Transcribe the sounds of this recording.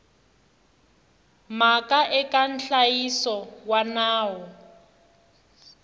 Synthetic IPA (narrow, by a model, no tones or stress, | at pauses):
makʼaʔɛkʼan̩ɬajisɔwanaːwɔ